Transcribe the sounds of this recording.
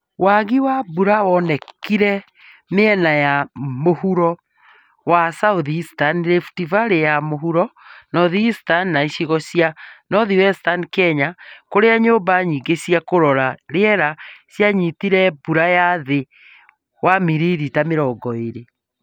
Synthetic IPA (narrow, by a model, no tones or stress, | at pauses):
waɣiwabuɾawɔnɛkiɾɛ | meɛnajamohuɾɔ | wasauðistanɾefu̥tivaɾejamoɦuɾɔnɔðistanːaiɕiɣɔɕijanɔðiwɛstankɛɲakoɾeaɲoːmbaɲiɡeɕiakoɾɔɾaɾeɛɾaɕjaɲitiɾɛbuɾajaðe | wamiɾiɾitameɾɔɡɔeɾe